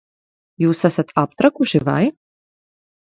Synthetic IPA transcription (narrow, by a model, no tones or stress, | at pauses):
jiwsɐsɐt̪ʰaːp̚t̪ʰʼrɐkʼuʒiva̰ːj